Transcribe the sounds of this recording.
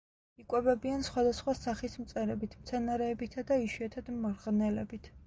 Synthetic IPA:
ikʼwɛbɛbiansχwad̪asχwasaχismt̪sʼɛɾɛbit̪ʰmt̪sʰɛnaɾɛːbit̪ʰad̪aiʃwiɛt̪ʰad̪̥mɔɾʁnɛlɛbit̪ʰ

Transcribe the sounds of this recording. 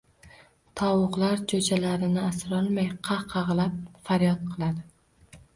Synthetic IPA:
t̪ʰɒwʊqlˠaɾd͡ʒʰod͡ʒalaɾɪnɪasɾɒlˠmajqʰɑqʰɑʁlˠap̚faɾjɒt̪̚qʰɨlˠad̪ɪ

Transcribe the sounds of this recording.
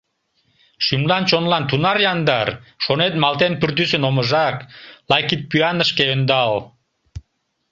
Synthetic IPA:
ʃymlɑnt͡ɕonlɑnt̪unɑɾjɑnd̪ɑrʃonet̪mɑlt̪enpyrt̪ysənoməʒɑklɑjkit̪̚pyɑnəʃkeønd̪ɑl

